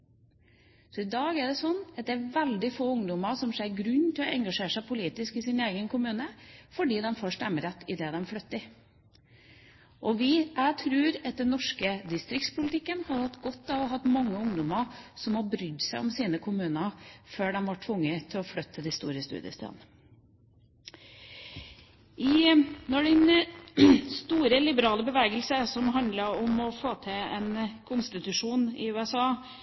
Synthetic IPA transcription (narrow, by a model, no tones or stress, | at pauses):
sɔɪd̪ɑːɡæɖɛsɔnːɑt̪̚d̪ɛæʋɛld̪ɪfoːʊŋd̪ʊməɾsɔmʃeːɾɡɾʉɲːt̪ʰɪlɔʔɛŋɡɑʂeːʂæɪpʰʊliːt̪ɪskɪsɪneːɡənkʰʊmʉːnəfɔɖiːd̪ɛmfoːʂtɛmːəɾɛt̪ːɪd̪ɛːd̪ɛmflœt̪ːɪ | ʔɔʋɪʔæt̪ʰɾʉːɾɛt̪̚d̪ɛnːɔʂkəd̪ɪst̪ɾɪk̚tspʊlət̪ʰɪkːənhɑɾhɑt̪ːɡɔt̪ːɑʋɔɦɑt̪ːmɑŋːəʊŋd̪ʊməɾsɔmhɑbɾʏd̪sæɪɔmsiːnəkʰʊmʉːnɑføːɖɛmʋɑʈʰʋʊŋːət̪ʰɪlɔflœt̪ʰːəd̪ɪst̪ṵːɾəst̪ʉ̰ːd̪jə̰st̪ɑ̰n | ʔɪnɔɖɛn | st̪uːɾəlɪbəɾɑːləbəʋeːɡəlsəsɔmɦɑnd̪ləɾɔmɔfoːt̪ʰɛɛnkʰʊnst̪ɪt̪ʉʂuːnɪ̰ʉːɛsɑː